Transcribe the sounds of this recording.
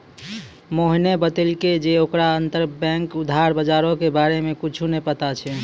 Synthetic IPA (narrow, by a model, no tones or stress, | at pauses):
moɦnebət̪əlked͡ʒeokɾaənt̪əɾbɛ̃ŋkud̪ʱɦaɾbəd͡ʒaɾokebaɾemekit͡ʃʰunepət̪at͡ʃʰɛ